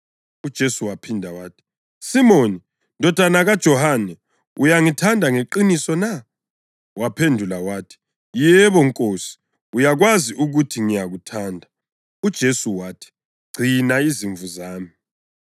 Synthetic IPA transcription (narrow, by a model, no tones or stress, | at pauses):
ud̥ʒ̥ʱesuwapʰindʱawaːtʰi̥ | simoni | ndʱɔd̥ʱanaɣad̥ʒ̥ʱɔhanɛ | ujaŋitʰandʱaŋeǃinisɔna | wapʰendʱulawaːtʰi̥ | jɛβɔŋkʼoːsi̥ | ujaɣwaziʔuɣutʰiŋijaɣutʰaːndʱa | ud̥ʒ̥ʱesuwaːtʰi̥ | ɡ͡ǀ̥ʱinaiziɱvuzaːmi